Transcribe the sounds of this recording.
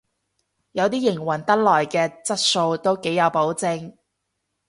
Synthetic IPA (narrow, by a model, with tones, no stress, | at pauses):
jɐ˨˧wt̪̬iː˥jɪ˨˩ŋwɐ˨˩nt̪ɐ˥t̚lɔː˨˩jkɛː˧t͡sɐ˥t̚so˧wt̪o˥wke˨˥jɐ˨˧wpo˨˥wt͡sɪ˧ŋ